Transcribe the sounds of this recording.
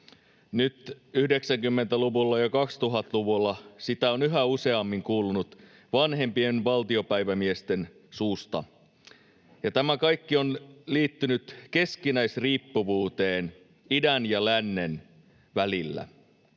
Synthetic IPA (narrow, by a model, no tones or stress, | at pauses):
nyt̪yhde̞ksæŋkymːe̞nt̪æluʋulːɑjɑkɑkst̪uɦɑt̪luʋulːɑsit̪æonyɦæuse̞ɑmːiŋkuːlunut̪ | ʋɑnɦe̞mpie̞nʋɑlt̪io̞pæjʋæmiest̪e̞n | suːst̪ɑ̰ | jɑt̪æmækɑjkːionliːt̪ːynyt̪ke̞skinæjsriːpːuʋuːt̪eːn | idænjɑlænːe̞n | ʋælilːæ̰